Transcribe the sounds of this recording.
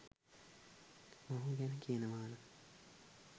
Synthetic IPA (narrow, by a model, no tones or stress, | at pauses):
maɦuɡænkijənəʋaːna